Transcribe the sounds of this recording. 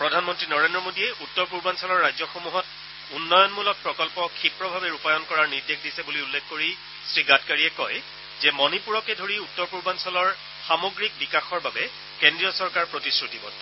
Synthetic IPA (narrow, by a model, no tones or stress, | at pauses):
pɹɔdʱanmɔntɹinɔɹendɹɔmodiɛʔutːɔɹpuɹbansɔlɔɹːajzɔxomuɦɔt | unːɔjɔnmulɔt̚pɹɔkɔlpɔkʰipɹɔbʱabɛɹupajɔnkɔɹaɹniɹdekʰdisɛbuliulːekkoɹi | sɹiɡatkaɹiɛkɔj | zɛmɔnipuɹɔkɛdʱoɹiutːɔɹpuɹbansɔlɔɹ | xamoɡɹik̚bikaxɔɹbabɛ | kendɹijɔsɔɹkaɹpɹotisɹutibɔt